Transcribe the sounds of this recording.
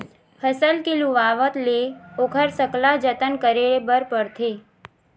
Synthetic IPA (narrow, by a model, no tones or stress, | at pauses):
pʰəsəlkɪlũʋaʋət̪leokʰəɾsəklad͡ʒət̪ənkəɾeɭebəɾpəɽt̪ʰe